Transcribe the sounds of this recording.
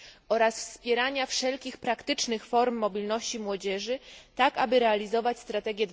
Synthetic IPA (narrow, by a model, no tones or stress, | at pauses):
ɔɾasfspʲjɛɾaɲafʂɛlkʲixpɾakt̪ɘt͡ʂnɘxfɔɾmːɔbʲilnɔɕt͡ɕimwɔd͡ʑɛʐɘt̪akabɘɾɛalʲizɔvat͡ɕst̪ɾat̪ɛɡʲjɛd̪